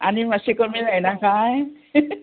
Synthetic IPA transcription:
a̰nimasikɔmiɾajnakaj

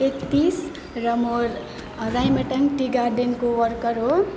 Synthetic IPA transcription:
ekt̪ːis | ɾʌmoɾ | ɾajmeʈʌŋʈiɡaɾɖenkowʌɾkʌɾo

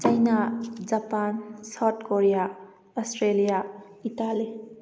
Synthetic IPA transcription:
t͡ʃajnad͡ʒapansawdkoɾija | ɔsʈɾelija | itali

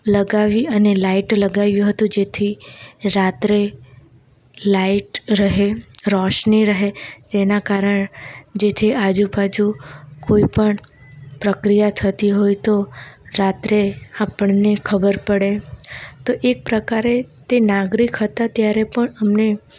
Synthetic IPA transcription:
ləɡaʋiənelaiʈləɡaʋjũɦət̪ũd͡ʒet̪ʰiɾat̪ɾe | laiʈɾəɦeɾɔʃniɾəɦed͡ʒ̪enakaɾəɳd͡ʒet̪ʰiad͡ʒubad͡ʒukoipəɳ | pɾəkɾijat̪ʰət̪iɦojt̪oɾat̪ɾeapəɳnekʰəbəɾpəɽet̪oʔek̚pɾəkaɾet̪enaɡɾikɦət̪at̪jaɾepəɳəmne

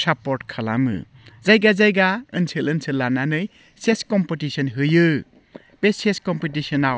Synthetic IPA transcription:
sapɔɾʈkʰala̰mɯ̰ | zajɡazajɡaɯnsʰelɯnsʰɯlːananɯj | seskɔmpitisɔnɦɯjɯ | peseskɔmpitisɔnaw

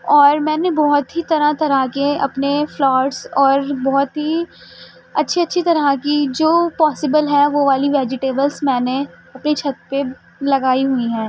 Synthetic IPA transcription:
ɔːɾmɛ̃ːnebɔɦʊt̪ɦit̪ɐɾat̪ɐɾakeɐ̰pneflɔːɖsɔːɾbɔɦʊt̪ɦi | ɐtːʃʰiɐtːʃʰit̪ɐɾakid͡ʒoːpɔːsɪbəlɦɛʋoʋaːliʋɛːd͡ʒɪʈeːbəlsmɛ̃ːne | ɐpnit͡ʃʰɐt̪̚pe | lɐɡaːiɦuiɦɛ̃ː

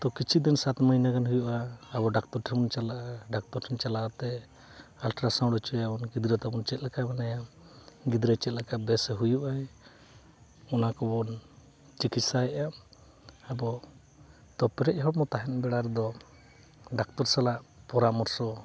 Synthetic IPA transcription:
t̪ɔkit͡ʃʰid̪insat̪məɦinakanɦujuʔaːbɔɖak̚t̪ɔɾʈʰɛbɔnt͡ʃalaʔɖak̚t̪ɔɾʈʰɛnt͡ʃalaʔt̪ɛ | alʈɾasãwɽɔt͡ʃɔabɔnɡid̪ɾɛt̪abɔnt͡ʃɛt̪̚lakamɛnaja | ɡid̪ɾɛt͡ʃɛt̪̚lakabɛsɛɦujuʔaɛ | ɔnakɔbɔn | t͡ʃikit̪saɛʔa | abɔ | t̪ɔpɛɾɛc̚ɦɔɽmɔt̪aɦɛnbɛɽaɾɛd̪ɔ | ɖak̚t̪ɔɾsalaʔpɔɾamɔɾsɔ

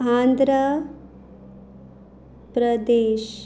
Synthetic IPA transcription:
aːnd̪ɾə | pɾəd̪eːʃ

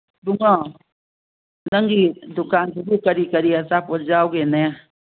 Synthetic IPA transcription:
d̪uŋɔ | naŋɡid̪ukant̪ukukaɾikaɾiasapɔd͡ʒawɡenɛa

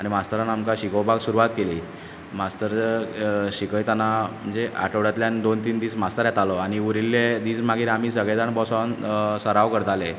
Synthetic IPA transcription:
aɽimast̪əɾanamkaɕikəwbʱaɡsuɾuʋat̪keliː | mast̪əɾ | ɕikəjt̪anam̤əɳd͡zea̰ʈəʋɽjat̪ljand̪ont̪iːnd̪iːsmast̪əɾjat̪alɔaɽ̃iuɾilːed̪iːsmaɡʱiːɾam̤iːsəɡɭed͡z̪aɳbɔsansəɾaʋkəɾt̪ale

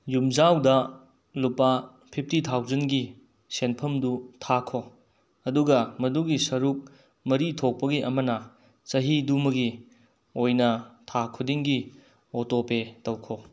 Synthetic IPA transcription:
jumzawdɐ | lupa | pʰip̚ʰtitʰawzɐnɡi | senpʰɐmdutʰakʰo | ɐduɡɐmɐduɡisɐɾuk̚ | mɐɾitʰok̚pɐɡiʔɐmɐnɐ | t͡ʃɐɦidumɐɡi | ojnɐtʰakʰudiŋɡi | otopetɐwkʰo

